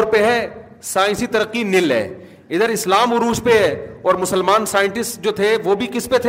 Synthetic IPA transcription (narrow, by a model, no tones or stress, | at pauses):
ɾpeɦɛ | saːɪ̃nsit̪ɐɾəqːinɪlɦɛ̰ː | ɪd̪əɾɪslaːmʊɾuːspeɦɛɔːɾmʊsəlmaːnsaːɪ̃ɳʈɪsʈd͡ʒoːt̪ʰeʋobʱikɪspet̪ʰe